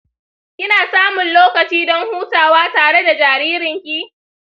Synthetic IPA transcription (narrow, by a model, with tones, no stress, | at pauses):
kʲɪ˦naː˨saː˦mʊ˨nloː˦kɐ˨t͡ʃiː˦dɔ˦ŋhuː˦taː˨waː˦taː˨ɽe˦da˨d͡ʒaː˨ɾiː˦ɾɪ˨ŋkʲi˦